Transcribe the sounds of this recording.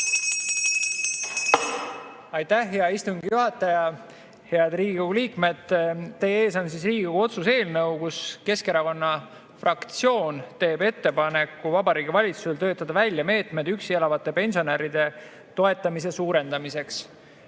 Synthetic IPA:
ɑjt̪æhɦe̞ɑist̪uŋɡijuɦɑt̪ːˑɑjɑ | he̞ɑd̪̥riːɡikoɡuliːkme̞d̪̥t̪ːe̞jeeːsɑns̬is̬riːɡikoɡuo̞t̪suse̞ːlnɤwkuske̞ske̞ɾɑko̞nːɑ | frɑkt̪sjo̞ːnt̪e̞ːbe̞t̪ːe̞pɑne̞kːuvɑbɑɾiːɡivɑlʲit̪suselt̪øːt̪ːˑɑd̪ɑvælʲjɑme̞ːt̪me̞d̪yksielɑvɑt̪ˑːe̞pe̞nʲsio̞neɾid̪̥e̞ | t̪o̞e̞t̪ˑːɑmise̞suːɾe̞nd̪̥ɑmise̞ks

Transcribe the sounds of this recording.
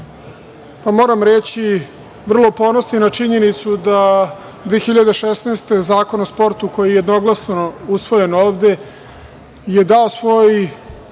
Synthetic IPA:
pamo̞ːɾamɾet͡ɕi | ʋr̩lˠopo̞nosninat͡ʃiɲe̞nit̪sud̪a | d̪ʋeexiʎad̪eʃesneːst̪e̞zaːko̞nospo̞ɾt̪uko̞jiejed̪no̞ɡlˠasnousʋo̞je̞noːʋd̪e̞ | je̞d̪aosʋo̞j

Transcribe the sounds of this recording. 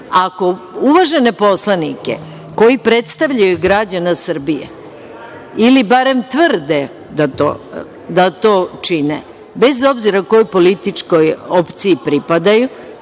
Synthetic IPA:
ako̞uʋaʒe̞ne̞po̞slˠanike̞̰ | ko̞jipɾe̞t̪st̪aʋʎajuɡɾad͡ʑanasr̩bijḛ | ilibaɾe̞mt̪vrd̪e | d̪at̪o̰ | d̪at̪o̞ːt͡ʃine | be̞zo̞bziɾakojojpo̞lit̪it͡ʂko̞jopt̪siipɾipad̪aju

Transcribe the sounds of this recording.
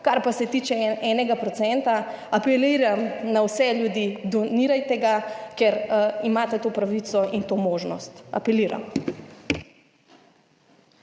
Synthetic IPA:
kaɾpasɛt̪iːt͡ʃɛɛnɛɡapɾɔt̪sɛnt̪a | apɛliːɾamnawsɛljud̪iːd̪ɔniːɾajt̪ɛɡakɛɾimaːt̪ɛt̪oːpɾaʋit̪sɔʔint̪oːmoːʒnɔst̪a̰pɛliːɾa̰m

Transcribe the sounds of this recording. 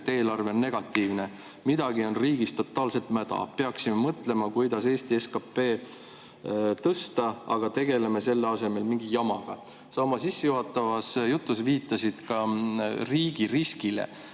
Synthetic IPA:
t̪ːeːlɑrve̞onːe̞ɡ̥ɑt̪ːˑiːvne | mid̪ɑɡio̞nriːɡist̪o̞t̪ːˑɑːlse̞lt̪ˑmæd̪̥ɑ̰pe̞ɑksime̞mɤt̪ˑle̞mɑkujd̪̥ɑse̞ːst̪ieskɑpːe̞ː | t̪ɤst̪ɑɑɡ̥ɑt̪e̞ɡ̥e̞le̞me̞se̞lːeɑse̞me̞lmiŋɡijɑmɑɡ̥ɑ | sɑːmɑsisːejuɦɑt̪ːˑɑvɑsjut̪ˑːus̬viːt̪ːˑɑsid̪̥kɑriːɡ̥iɾiskilḛ

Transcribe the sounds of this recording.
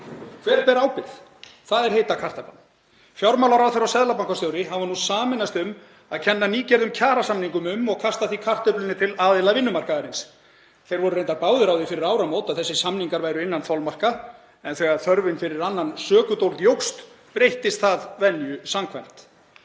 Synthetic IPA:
kʰv̥ɛːɾpɛːɾaːwpɪθθaðɛɾ̥hejt̪akʰar̥t̪apan | fjawɾmawlaɾawθejɾawsɛðlapawŋkast̪jowɾɪɦavanusaːmɪnast̪ʏm | aðcʰɛnːaniːcɛɾðʏmcʰaːɾasamniŋkʏmʏmɔɣkʰast̪aθikʰar̥t̪ʏplɪnːɪt̪ʰɪlaːðɪlavɪnːʏmar̥kaðɪɾɪns | θejɾvɔɾʏɾejnt̪aɾpaːwðʏɾawðɪfɪɾɪɾaːwɾamoːwt̪aðθɛsːɪsamniŋkaɾvaːjɾʏɪnːanθalmar̥ka | ɛnθɛːɣaθœɾvɪnfɪɾɪɾanːansœːkʏt̪owlt̪jowxst̪ | pɾejht̪ɪst̪θaðvɛnjʏsamkʰvajm̥t̪

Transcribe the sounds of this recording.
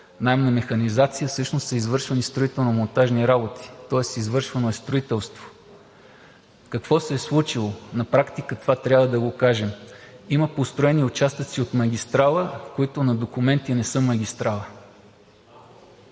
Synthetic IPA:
najmnɐmɛxɐnizat̪sijəsɤʃnossəizvɤɾʃvɐnist̪ɾoit̪ɛlˠnomont̪aʒniɾabot̪i̥t̪ɔɛsizvɤɾʃvɐnoɛst̪ɾoit̪ɛlˠst̪vo̥ | kɐkv̥ɔsɛːslˠut͡ʃilˠonɐpɾakt̪ikət̪ovat̪ɾʲabvəd̪ɐɡokaʒɛmiməpost̪ɾoɛniʊt͡ʃast̪ət̪siot̪mɐɡ̟ʲist̪ɾalˠəkoit̪ʊnɐd̪okʊmɛnt̪inɛsɤmɐɡʲist̪ɾalˠə

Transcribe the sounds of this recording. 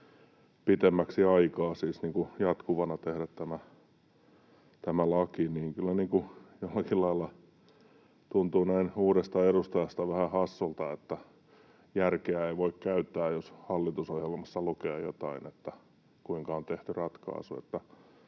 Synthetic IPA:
pit̪emːæksiɑikɑːsiːsniːŋkujɑt̪kuʋɑnɑt̪ehɾæt̪t̪æmæ | t̪æmælɑkiniːŋkylːæniːŋkujolːɑkillɑilːɑ | t̪unt̪uːnæinuːɾest̪ɑeɾust̪ɑjɑst̪ɑʋæhæhɑsːult̪ɑet̪ːæ | jærkeæeiʋoikkæyt̪ːæːjoshɑlːit̪usohjelmɑsːɑlukeːjot̪ɑinet̪ːæ | kuiŋkɑont̪eht̪yrɑt̪kɑ̰ˑːsuḛt̪ːæ

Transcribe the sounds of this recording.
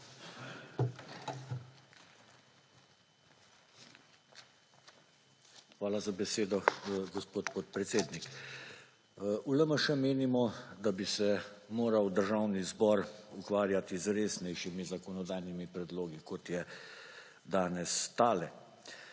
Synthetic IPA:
xʋaːlazabɛseːd̪ɔɡɔspoːt̪̚pot̪̚pɾɛt̪seːd̪nik | ʔuləməʃəmeːnimɔd̪abisɛmoːɾawd̪əɾʒaːwnizbɔɾukʋaːɾjat̪izɾeːsnɛjʃimizakɔnɔd̪aːjnimipɾɛd̪loːɡikɔt̪jɛ | d̪aːnɛst̪aːlɛ

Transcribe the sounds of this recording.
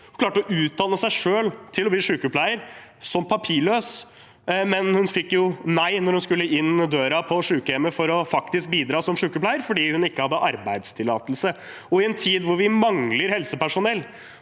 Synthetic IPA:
kʰlɑːʈɔʔʉːt̪̚d̪ɑnːəsæɪʂøːlt̪ʰɪlɔbliːʂʉːkəpʰlæɪəɾ | sɔmpʰɑpʰiːɭøːs | mɛnhʉnfɪkːjʊnæɪnɔɾhʉnskʉlːəɪnd̪øːɾɑpʰɔʂʉːkəɛmːəfɔɾɔfɑkt̪ɪsk̚biːd̪ɾɑːsɔmʂʉːkəpʰlæɪəɾfɔɖiːhʉnɪkːəhɑd̪ːəʔɑɾbæɪd̪st̪ʰɪlːɑ̰ːt̪əlsə | ɔɪɛnt̪ʰiːd̪ʋʊɾʋɪmɑŋləɾhɛlsəpæʂʊnɛlː

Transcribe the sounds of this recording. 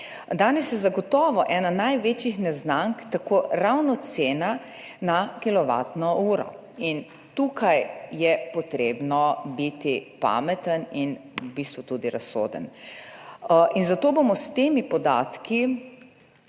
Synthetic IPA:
d̪aːnɛsjɛzaɡɔt̪ɔːʋɔʔɛnanajʋet͡ʃixnɛznaŋkt̪akoːɾawnɔt̪seːna | nakilɔʋa̰ːt̪nɔuːɾɔ̰ | in | t̪uːkʰajjɛpɔt̪ɾeːbnɔbit̪ipa̰mɛt̪əninbist̪ʋut̪ud̪iɾasːo̰ːd̪ə̰n | ʔinzat̪oːbomɔst̪eːmipɔd̪a̰ːt̪ki

